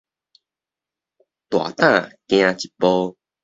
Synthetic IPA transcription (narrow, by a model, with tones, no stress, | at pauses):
t̪wa̰˨t̪ã˥˧a˨kj̃ã˧t͡ɕi˨˩pɔ˦